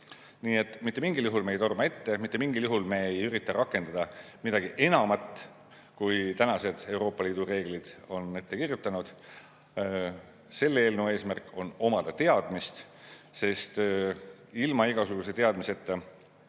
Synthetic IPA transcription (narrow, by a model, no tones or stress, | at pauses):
niːe̞t̪ːˑmit̪ːe̞miŋɡiljuɦulmeejt̪o̞rmɑe̞t̪ːe̞mit̪ːˑemiŋɡiljuɦulme̞jyɾit̪ːˑɑɾʔɑkːˑe̞nd̪ɑd̪ɑ | mid̪ɑɡ̥iʔe̞nɑmɑt̪ːˑ | kujt̪ænɑse̞d̪̥e̞wɾo̞ːpːˑɑliːd̪̥ure̞ːɡ̥lid̪̥o̞ne̞t̪ːe̞kirjut̪ːˑɑnud̪̥ | se̞lːeeːlnewe̞ːsmærko̞no̞mɑd̪̥ɑt̪e̞ɑd̪̥mist̪ | se̞st̪ | ilmɑiɡ̥ɑsuɡ̥use̞t̪e̞ɑd̪mise̞t̪ːe